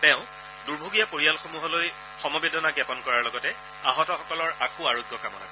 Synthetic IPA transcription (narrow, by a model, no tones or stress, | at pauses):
tɛʊ̃ | duɹbʱoɡijapoɹijalxomuɦɔloj | xɔmɔbedɔnaɡɛpɔnkɔɹaɹlɔɡɔtɛ | aɦɔtɔxɔkɔlɔɹakoaɹoɡjɔkamɔna̰